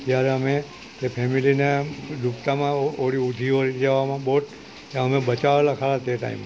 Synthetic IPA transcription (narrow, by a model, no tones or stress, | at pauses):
t̪jaɾɛəme | epʰemilined̪upt̪amãoɽiud̪ʱioɾid͡ʒaʋamãboʈ | ãəmẽbət͡ʃaʋelakʰalat̪eʈa̰ḭm